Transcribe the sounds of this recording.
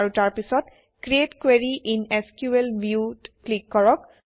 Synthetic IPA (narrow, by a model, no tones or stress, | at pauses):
ɹutaɹpisɔt | kɹietkweɹiʔineskjuelbʱjutklikːɔɹɔk̚